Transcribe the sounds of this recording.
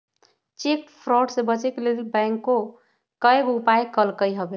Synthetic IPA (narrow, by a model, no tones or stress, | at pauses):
t͡ʃekpʰɾɔɖsẽbət͡ʃekelelbɛ̃ŋkːo | kəjeɡupajkəlkəjɦəbe